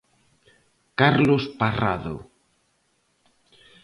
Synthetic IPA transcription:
kaɾlospara̰ðo̰

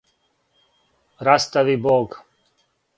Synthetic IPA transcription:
ɾast̪aʋiboːɡ

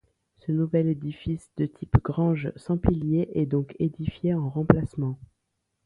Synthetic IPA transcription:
sənuvɛled̪ifisd̪̥ət̪ʰipɡʁɑ̃ʒsɑ̃piljeʔɛd̪ɔ̃kʰed̪ifjeɑ̃ʁɑ̃plasmɑ̃

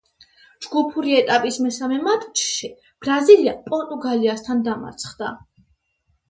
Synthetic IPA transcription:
d͡ʒɡupʰuɾiɛt̪ʼapʼismɛsamɛmat̪ʼt͡ʃʰʃi | b̥ɾaziliapʼɔnt̪ʼuɡaliast̪ʰand̪ama̰ɾt̪sʰχd̪a

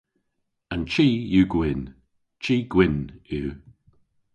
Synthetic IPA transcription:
ant͡ʃiːjuːɡwɪn | t͡ʃʰiːɡ̥wɪnuː

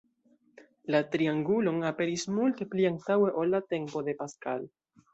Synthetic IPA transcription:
latɾiaŋɡulo̞nape̞ɾismulte̞pliaŋtawe̞ʔolːate̞mpo̞de̞paskal

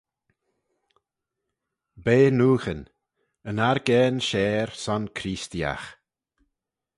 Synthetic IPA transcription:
beːnuːxən | ənaɾɡɛːnʃɛːɾsɔnkʰɾiːst̪ia̰x

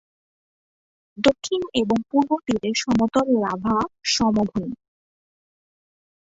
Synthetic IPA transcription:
d̪okʰːineboŋpuɾbot̪iɾeʃɔmot̪oɾeɾabʱaʃɔmobʱun

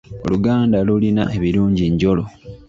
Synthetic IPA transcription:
o̞̰luɡaːndalulina̰ʔe̞βiɾuːɲɟiɲɟo̞lo

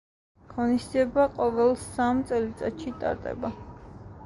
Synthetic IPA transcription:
ɣɔnisd̪ziɛbaqʼɔvɛlˠsamt̪sʼɛlit̪sʼat̪ʃit̪ʼa̰ɾd̪ʼɛ̰ba

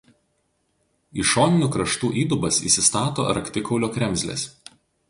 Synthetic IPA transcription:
iʃoːnʲɪnʲukɾɐʃt̪uːʔiːd̪ʊbɐsḭːsʲɪst̪ɑːt̪o̰ːɐ̰ɾɐkʲt̪ʲɪkɒʊlʲoːkʲɾʲɛmʲzʲlʲḛs

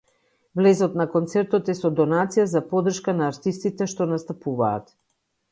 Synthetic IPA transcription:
vlɛzɔt̪nakɔnt̪sɛɾt̪ɔt̪ɛsɔd̪ɔnat̪sijazapɔd̪r̩ʃkanaːɾt̪ist̪it̪ɛʃt̪ɔnast̪apuva̰ːt̪

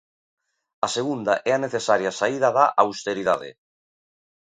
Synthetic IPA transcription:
aseɣund̪aʔɛaneθesaɾjasaiðaðaʔawst̪eɾiða̰ðɪ̰

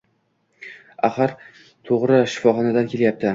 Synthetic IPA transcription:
aχɑɾ | t̪ʰoʁɾɪʃɪ̥fɒχɒnad̪ankʲʰe̞ljap̚t̪ʰɪ

